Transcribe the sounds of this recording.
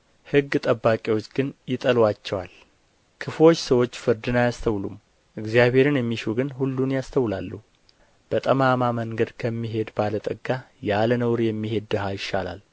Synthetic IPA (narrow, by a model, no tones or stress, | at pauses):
hɨɡːt̪ʼəbːakʼiwo̞t͡ʃːɡɨnjɪt̪ʼəlwat͡ʃːɛwal | kʰɨflo̞t͡ʃːsəwot͡ʃːfɨɾd̪ɨnajast̪ʰəwlum | ʔɨɡzijaβhe̞ɾɨnjɛmːiʃuɡɨnhulːunjast̪ʰəwlalːuh | b̥ət̪ʼəmamaməŋɡəd̪kʰəmːiɦe̞d̪balət̪ʼəɡːajalənəwɾjɛmːihe̞d̪ːɨɦajɪʃːala̰l